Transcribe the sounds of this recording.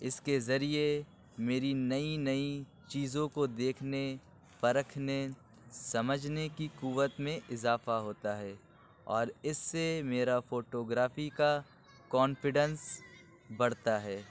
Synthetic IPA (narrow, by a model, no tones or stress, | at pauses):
ɪskezɐɾie | meːɾinɐinɐi | t͡ʃiːzõkod̪eːkʰne | pɐɾəkʰne | sɐməd͡ʒʱnekikuːʋət̪mẽʔɪzaːfaɦoːt̪aɦɛː | ɔːɾɪsːemeːɾafoːʈoːɡɾaːfika | kɔːnfɪɖə̃ns | bɐɽt̪aɦɛː